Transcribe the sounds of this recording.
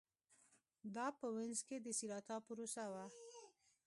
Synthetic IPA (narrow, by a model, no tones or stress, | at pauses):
d̪ɑpəwɪnzked̪əsiɾɑt̪ɑpuɾosawa